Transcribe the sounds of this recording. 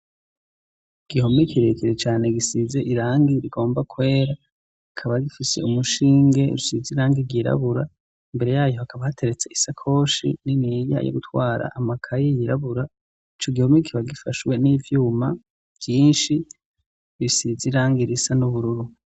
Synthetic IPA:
iɡ̥iho̞mekʰiɾe̞kʰiɾet͡ʃaːne̞ɡisize̞ʔiɾaːŋɡiɾiɡo̞ːmbakwe̞ːɾa | kʰaβaɡifise̞̰umuʃiːŋɡe̞̰ɾusiziɾaːŋɡiɡiɾa̰βuɾa̰ | imbe̞ɾe̞jaːjo̞hakʰaβahatʰe̞ɾe̞t͡se̞isakʰo̞ːʃḭninija̰jo̰ɡutʰwaːɾa̰ʔamakʰajejiɾaβuɾa | it͡ʃo̞ɡihomekʰiβaɡifaʃwe̞nivjuːma | v̥jiːnʃi | βisiziɾaːŋɡiɾisanuβuɾuɾu

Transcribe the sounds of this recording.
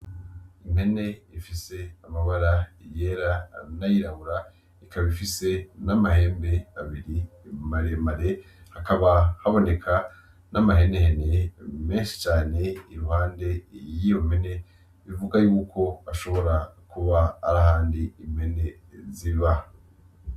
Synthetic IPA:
ime̞ne̞ifise̞amaβaɾaje̞ːɾanajiɾaβuɾa | ikaβifise̞namahe̞ːmbe̞aβiɾimaɾemaɾe̞ | hakaβahaβo̞ne̞kʰa | namaɦe̞nehenemeːnʃi̥t͡ʃaːne̞iɾuhaːnde̞jijo̞me̞ne̞ | ivuɡajuːkʰo̞aʃo̞βo̞ɾakuβaa̰ɾahaːndiːmhe̞ne̞ziβa

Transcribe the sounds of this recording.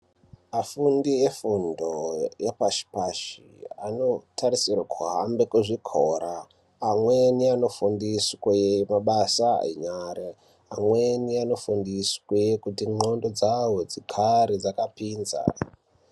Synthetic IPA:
afundiefundojepaʃi̥paʃi | ano̞tʰaɾisirwakʰuɦambe̞kuʐikʰoɾaː | mwe̞niano̞fundisejemaɓasa̰ḛɲaːɾa | amweniano̞fundiswekutiŋ͡ǃondo̞d͡zawod͡zikʰaɾid͡zakapiːnza̰

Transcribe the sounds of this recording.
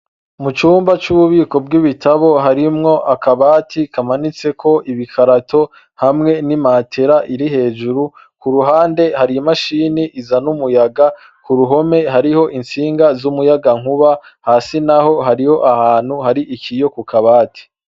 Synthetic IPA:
mut͡ʃuːmbat͡ʃuβuβiːko̞bɡiβitʰaβo̞ɦaɾimŋo̞ʔakaβaːtʰikʰamanit͡se̞kʰo̞ʔiβikʰaɾatʰo̞ | hamŋe̞nimaːtʰe̞ɾaʔiɾiɦe̞ːd͡ʒuɾu | kuɾuɦaːnde̞haɾiimaʃiːniʔizanumujaɡa | kuɾuɦo̞me̞ɦaɾiho̞ʔint͡siːŋɡazumujaɡaŋ̥huβa | haːsinaho̞ɦaɾiho̞ʔahaːn̥huhaɾiʔikʰijo̞kukʰaβaːti̥

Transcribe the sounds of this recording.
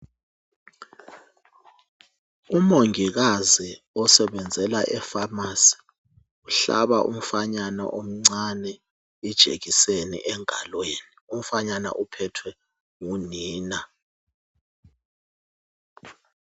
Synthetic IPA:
umoŋiɣ̬azi | ɔsɛɓɛnd͡zʱɛlaʔɛfamasi̥ | uɬa̰ɓaʔṵm̩faɲanɔ̰ʔom̩ŋ͡ǀanɛ | id̥ʒ̥ʱḛɣisenḭʔɛŋalweːnium̩faɲana̰ʔupʰɛtʰwɛ | ŋuniːna

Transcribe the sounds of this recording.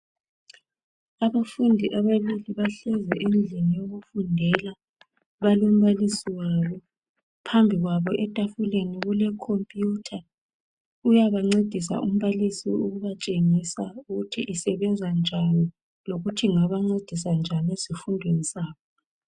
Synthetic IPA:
aβafundʱiʔaβaliliβaɬɛzɛʔend͡ɮʱinijoɣufundʱɛla | βalom̩βalisiwaːβɔ | pʰambʱiɣwaβɔʔɛtʼafuleniɣulɛkʰompʼjutʰa | ujaβaŋ͡ǀed̥ʱisa̰ʔum̩βalisḭuɣuβat͡ʃʼeŋisauɣutʰiʔisɛβɛnd͡zʱand͡ʒʱani | loɣutʰiŋaβaŋ͡ǀed̥ʱis̬and͡ʒʱanesifundʱwenisaːβɔ

